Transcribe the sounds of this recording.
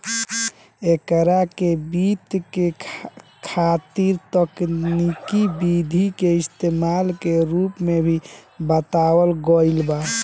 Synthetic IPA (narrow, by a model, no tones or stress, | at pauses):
ekəɾakebit̪ke | kʰat̪iɾt̪əknikibid̪ʱikeist̪emalkeɾupmebʱibət̪awəlɡɔjlba